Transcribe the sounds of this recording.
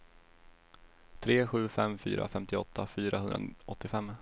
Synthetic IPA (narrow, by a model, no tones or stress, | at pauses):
t̪ʰɾeːɧʉ̟ːfɛmfy̰ːɾʔa̰fɛmt̪ɪɔt̪ʰːafyːɾaɦɵndɾa̰ɔt̪ːɪfɛmː